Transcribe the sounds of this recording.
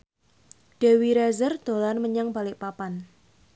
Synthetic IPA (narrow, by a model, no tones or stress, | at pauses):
ɖ̥e̤wiɾɛzərd̪̥o̤lanməɲaŋbalɪʔpapan